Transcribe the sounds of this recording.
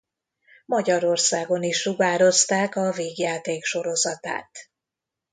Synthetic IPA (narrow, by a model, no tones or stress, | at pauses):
mɒɟɒɾo̞rsaːɡo̞niʃruɡaːɾo̞st̪aːkɒveːɡjaːt̪eːkʃo̞ɾo̞zɒt̪a̰ːt̪